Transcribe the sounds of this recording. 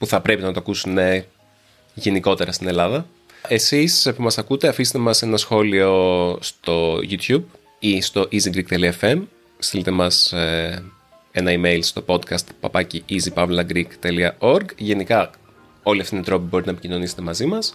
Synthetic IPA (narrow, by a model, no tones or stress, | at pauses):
puθɐpɾe̞pinɐt̪oɐkusune | ʝe̞niko̞t̪e̞ɾɐst̪ine̞lɐðɐ | e̞sispumɐsɐkut̪e̞ɐfise̥t̪emɐse̞nɐsxo̞lio̞st̪o̞ʝut̪çub | ist̪o̞ʔiziɡɾik̚t̪e̞liɐefe̞m | st̪ilit̪e̞mɐs | e̞nɐime̞jlst̪o̞po̞d̪kɐst̪pɐ̰pɐciizipɐvlɐɡɾikt̪e̞liɐo̞ɾɡʝe̞nikɐ | o̞liɐft̪iend̪ɾo̞pibo̞ɾit̪enɐepicino̞niset̪e̞mɐzimɐs